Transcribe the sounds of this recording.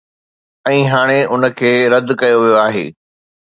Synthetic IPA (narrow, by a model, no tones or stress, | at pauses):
ɛ̃ːɦaːɽ̃eʊnə̆kʰeːɾɐd̪ʱkɐjoʋijoaːɦḛː